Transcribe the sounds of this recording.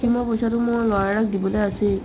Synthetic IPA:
imɔpɔjsatʊmʊɹlɔɹaɹak̚dibɔlease

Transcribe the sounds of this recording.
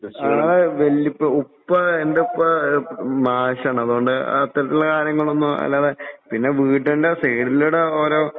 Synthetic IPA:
aaːðeʋelːipːɨupːɐend̪eupːɐ | maːʂɐɳɐ̃ɐðuɣoɳɖɨ̰ɐt̪ːɐɾɐt̪ːilːɐkaːɾjɐŋːɐɭonːuɐ̰lːaːðepinːe̞ʋiːʈːeɳɖesejɽiluɽeoːɾo̞ː

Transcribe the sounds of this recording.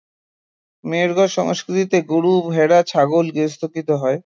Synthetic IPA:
meɾɡɔʃɔ̰ŋskɾit̪it̪eɡuɽubʱeɽat͡ɕʰaɡolɡest̪ʰokit̪oɦɔe

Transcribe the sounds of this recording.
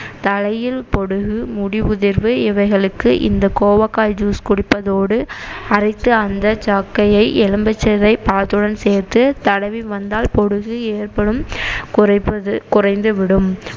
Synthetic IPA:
t̪ɐlɐjɪlpɔɽɯɣɯmʊɽɪʋʊðɪɾʋɯɪʋɐɪɣɐɭɯkːɯʔɪ̰nd̪ɐkoːʋɐkːaːld͡ʒuːskʊɽɪpːɐðoːɽɯɐrɐɪt̪ːɯɐnd̪ɐt͡ʃaːkːɐjɐɪʔɛɻɯmbɛt͡ʃːɐðɐɪpɐlɐt̪ːɯɽɐnseːrt̪ɯt̪ɐɽɐʋiʋɐnd̪aːlpɔɽɯɣɯeːrpɐɽɯm | ɐɐkʊrɐɪnd̪ɯʋɪɽɯm

